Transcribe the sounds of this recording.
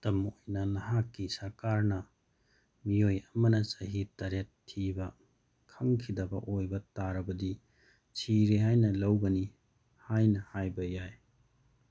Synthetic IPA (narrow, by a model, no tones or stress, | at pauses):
tɐmojnɐlɐɦakːisɐɾkaɾnɐ | miojɐmɐnɐsɐɦitɐɾetʰːibɐ | kʰɐŋkʰidɐbɐ̰ʔojbɐtaɾɐbɐdi | t͡ʃʰiɾiɦajnɐlɐwɡɐni | hajnɐhajbɐjaj